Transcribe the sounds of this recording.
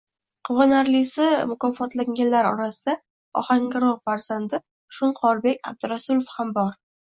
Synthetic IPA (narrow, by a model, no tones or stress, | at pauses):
qʰɨvɒnaɾlisɪmʊkɒfɒt̪laŋɡʲanlaɾɒ̰ɾasɪd̪a | ɒ̰haŋɡʲɪɾɒʁfaɾz̥and̪ɪ | ʃʊɴqʰɒɾbe̞kʲa̰b̚d̪ɪɾasulofhambɒɾ